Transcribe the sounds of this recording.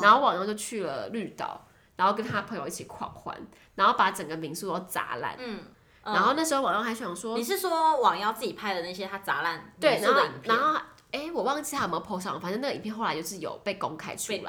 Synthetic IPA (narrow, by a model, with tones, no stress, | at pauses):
na˧˥nxo˥˩ʊwɑ˨˩ŋjɑ˥˧ʊt͡ɕjo˥˧ʊt͡ɕʰy˥˩lə˩ly˥˧t̪ɑ̰˥˨˩ʊ | na˧˥nxo˥˩ʊk̬ə˥nt̪ʰa˦˥pʰəɤ˧˥ŋjo˧ʊi˥˩t͡ɕʰi˨˩kʰwɑ̰˨˩ŋxwa̰˦˥n | na˧˥nxo˥˩ʊpa˧˥ʈ͡ʂə˨˩ŋɡə˩mi˧˥su˥˧o˥˩t͡sa̰˧˥la̰˥˩˨n˩ | n˧a˧˥xo˥˧na˥˩ʂ̩˧˥o˥˧˩wɑ˨˩jɑ˥˧˩xa˧˥ɪɕɑ˨˩ŋʂwɔ˥ni˨˩ʂɻ̩˥˩ʂwɔ˦˥wɑ˨˩ŋjɑ˥˧ʊt͡sɹ̩˥˩t͡ɕi˨˩pʰa˥˧ɪd̪ə˩na˥˩ɕ̬jɛ˦˥t̪ʰa˥t͡sa˧˥la˥˩nt̪we˥˩ɪna˧˥xə˥i˨˩ŋpʰna˧˥nxo˥˩ | e˥˩ɪwɔ˨˩wɑ˥˧ŋ˥i˧a˥ə˨˩˦jpʰo˧˥ʂɑ˥˩˨fn˥˧na˥˩˨mpʰjnxo˥˩ʊla˧˦t͡ɕo˥˧ʊʂɻ̩˥˩jo̰˨˩ʊpe˥˩ɪko˥ŋkʰa˥ɪt͡ʃʰy˥˩lə̰˩